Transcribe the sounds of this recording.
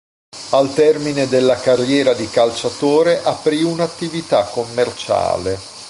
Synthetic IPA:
alt̪ɛrmined̪elːakarjɛːɾad̪ikalt͡ʃat̪oːɾeʔapɾiunat̪ːivit̪akːomːert͡ʃa̰ːle

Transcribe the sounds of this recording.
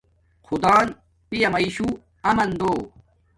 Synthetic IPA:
xʰud̪aːn | pijɐmɐiɕu | ɐmɐnd̪oː

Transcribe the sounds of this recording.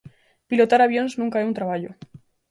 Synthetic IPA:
pilot̪aɾaβjo̞nznũŋkaeunt̪ɾaβaʎo

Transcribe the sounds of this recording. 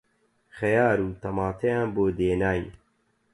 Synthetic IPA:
xɛjaːɾuːt̪ʰɐmɑːt̪ʰejaːnboːd̪eːnaːjn

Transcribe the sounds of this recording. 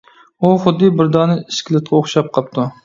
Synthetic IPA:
uχʊd̪ːɨbɪɾd̪ɑːnɨiʃkʲɪlˠɪt̪̚qʰɑoχʃɑp̚qʰɑp̚t̪ʰu

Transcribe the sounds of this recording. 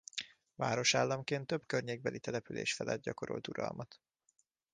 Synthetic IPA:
vaːɾo̞ʃaːlːɒmkeːnt̪ːøbkørɲeːɡ̚bɛlit̪ɛlɛpylḛːʃfɛlɛd̪̚ɟɒko̞ɾo̰lt̪uɾɒ̰lmɒt̪

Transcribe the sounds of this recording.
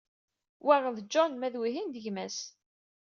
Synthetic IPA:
wæʁəðd͡ʒɔnmæðwiɦind̪əʝmæs

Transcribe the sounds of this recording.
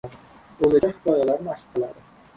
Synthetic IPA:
olad͡ʒʲahɪd̪ɒjalaɾnaʃɪ̥qɨlˠad̪ɪ

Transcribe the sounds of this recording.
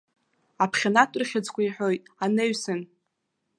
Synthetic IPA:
apʰχʲanatʷʼrχʲad͡zkʷʰaiħʷᶣo̞jtʼanɨɥsɨn

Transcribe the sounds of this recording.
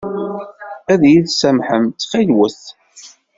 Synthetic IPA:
æðjiðsæmħəmt̪fæjwəθ

